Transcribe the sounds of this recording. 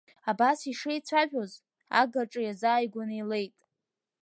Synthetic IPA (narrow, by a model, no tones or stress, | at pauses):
abasiʂejt͡sʷʰaʒᶣo̞z | a̰ɡaʈ͡ʂʼɨjazaːjɡʷanɨile̞jtʼ